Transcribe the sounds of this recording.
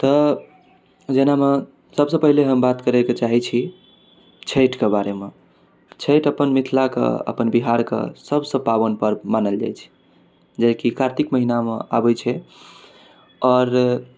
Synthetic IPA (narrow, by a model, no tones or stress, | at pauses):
t̪ɔ | d͡ʒename | səbsə̃pəɦileɦəmbat̪kəɾɛket͡ʃaɦit͡ʃʰi | t͡ʃʰeʈkebaɾeme | t͡ʃʰeʈəpənmit̪ʰlakḛə̰pənbiɦaɾkḛsəbsə̃pabənpəɾmanəld͡ʒa̰jt͡ʃʰi̥ | d͡ʒajkikaɾt̪ikməɦinamḛa̰bət͡ʃʰɛ | ɔːɾ